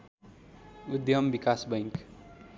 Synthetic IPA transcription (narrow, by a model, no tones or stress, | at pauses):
ud̪jʌmbikasbʌŋk